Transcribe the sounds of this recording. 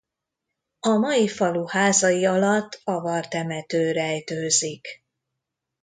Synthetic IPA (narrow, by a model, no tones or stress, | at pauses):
ɒmɒjifɒluhaːzɒjiɒlɒt̪ːɒvɒrt̪ɛmɛt̪øːɾɛjt̪øːzik